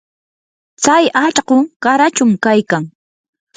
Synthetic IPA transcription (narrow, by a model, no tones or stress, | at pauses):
t͡sajat͡ʃɢokaɾat͡ʃʊmkajkaŋ